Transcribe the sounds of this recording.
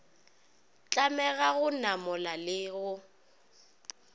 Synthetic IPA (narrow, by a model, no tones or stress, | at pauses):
t͡ɬʼamɛɣaɣʊnamɔlalɪːɣʊ